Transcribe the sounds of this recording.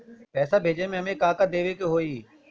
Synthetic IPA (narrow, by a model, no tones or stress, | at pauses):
pɛːsaːbʱeːd͡ʒeːmẽːmẽːkaːkad̪eːʋeːkeɦoːiː